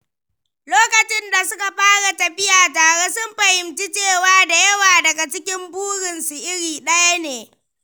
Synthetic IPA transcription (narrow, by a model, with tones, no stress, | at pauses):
loː˦kɐ˨t͡ʃɪ˦nda˨sʊ˦ka˨ɸaː˦ɽa˨tɐ˨ɸɪ˦jaː˨taː˨ɽeː˦sʊ˦mɸɐ˨hɪ˨mt͡ʃi˦t͡ʃeː˦˨waː˦da˨jɐ˦waː˨dɐ˨ɡa˨t͡ʃɪ˦kʲɪ˦mbuː˦ɽɪ˨nsu˨ʔɪ˦ɽiː˨ɗɐ˦ja˦neː˨